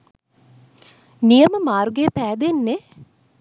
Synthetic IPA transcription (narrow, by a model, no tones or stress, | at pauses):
nijəməmaːɾuɡejəpæːd̪enːe